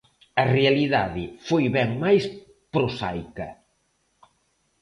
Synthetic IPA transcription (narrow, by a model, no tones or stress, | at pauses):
ɐrealiðaðɪfojβɛŋmajs | pɾosa̰jkɐ